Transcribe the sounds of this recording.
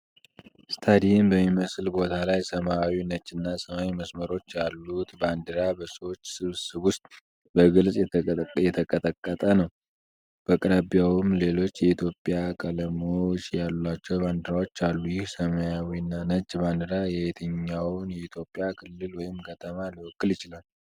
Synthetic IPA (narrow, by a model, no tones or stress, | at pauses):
st̪ʰad̪inbəmːiməslbo̞t̪ʰalajsəmawinət͡ʃʼːɨnːasəmawiməsməɾo̞t͡ʃːjalːut̪band̪ɨɾabəsəwot͡ʃːsɨβsɨβwʊst̪ʼ | bəɡɨlsʼjɛjɛt̪ʰəkʼət̪ʼəkʼːət̪ʼənəw | b̥əkʼɾabjawɨmle̞lo̞t͡ʃːjɛit̪ʰjo̞pʼːjakʼələmot͡ʃjalat͡ʃːɛwband̪ɨɾawo̞t͡ʃːalːujɪhsəmajawinːanət͡ʃʼːband̪ɨɾajɛhet̪ʰəɲːawnjɛit̪ʰjo̞pʼːijakʰɨlːɨlwɔjɪmkʰət̪ʰəmaliwɔkʼːɨljɪt͡ʃɪlal